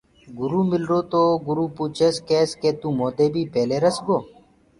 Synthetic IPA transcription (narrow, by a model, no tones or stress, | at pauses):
ɡʊɾuːmɪlɾoːt̪oːɡʊɾuːpuːt͡ʃʰeːskeːskeːt̪uːmoːd̪eːbʱiːpeːleːɾəsɡoː